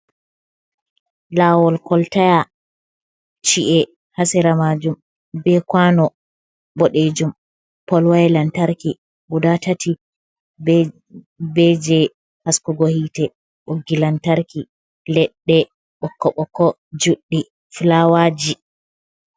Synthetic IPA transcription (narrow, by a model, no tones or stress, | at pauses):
lawɔlkɔltaja | t͡ʃiʔɛ | hasɛɾamad͡ʒum | bɛkwanɔ | bɔɗed͡ʒum | pɔlwajlantaɾki | budatatʰi | bɛd͡ʒɛ | haskuɡohitɛ | ɓoɡːilantaɾki | lɛɗːɛ | ɓɔkːɔɓɔkːɔ | d͡ʒuɗːi | flawad͡ʒi